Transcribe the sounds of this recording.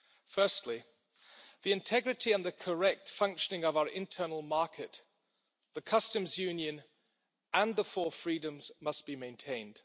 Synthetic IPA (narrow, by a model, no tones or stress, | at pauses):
fɜˑ˞stʰˡli | ðiɨ̃ntʰɛɡɹɨɾiə̃nðɨkʰə˞ɛk̚tfʌ̃ŋkʃənɪ̃ŋʌvaʊə˞ʔɪ̰̃ntʰɜ˞nəl̩ˠmɑɹkʰɪt̪ | ðəkʰʌstə̃mzjʉ̃njɨ̃n | ʔə̃nðəfɔfɹidə̃mz̥mʌsb̥imẽɪ̃ntʰẽɪ̃nd̥